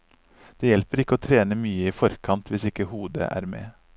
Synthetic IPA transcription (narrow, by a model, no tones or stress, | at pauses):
d̪̥eːjɛlpəɾɪkəoːt̪ʰɾeːnəmyːəiːfɔɾkʰɑnt̪ʋɪsɪkəhuːd̪ə̰ʔæ̰ːɾmḛː